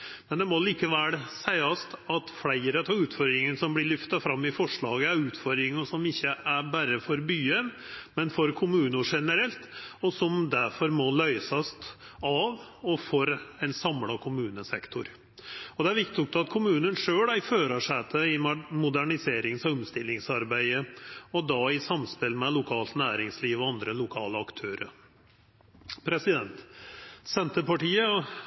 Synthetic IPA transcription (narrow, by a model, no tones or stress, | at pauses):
mɛnd̪ɛmɔliːkəʋɛlsæɪɑst̪ɑt̪flæɪɾət̪ʰɑːʉːt̪fɔɾd̪ɾɪŋənsɔmblɪɭʏft̪ɑfɾɑmːɪfɔʂɭɑːɡəæɾʉːt̪fɔɾd̪ɾɪŋəsɔmɪçːəʔæɾbæɾəfɔɾbyːən | mɛnfɔɾkʰʊmʉːnʊʂɛnəɾɛlt̪ɔsɔmd̪æɾfɔɾmɔlœʏsɑst̪ɑʋɔfɔɾɛɪnsɑmlɑkʰʊmʉːnəsɛkt̪ʰʊɾ | ɔd̪ɛæɾʋɪkt̪ʰʊk̚t̪ɑt̪̚kʰʊmʉːnənʂøːlæɪføːɾəʂɛt̪ʰəɪmʊd̪æɳɪseːɾɪŋsɑʊmst̪ɪlːɪŋsɑɾbæɪəɔd̪ɑɪsɑmspɪlmɛlʊkʰɑːlt̪næːɾɪŋsliːʋɔɑnd̪ɾəlʊkʰɑːləɑkt̪ʰøːɾə̰ɾ | pʰɾɛsɪd̪ɛnt̪sɛnt̪əpɑʈiːə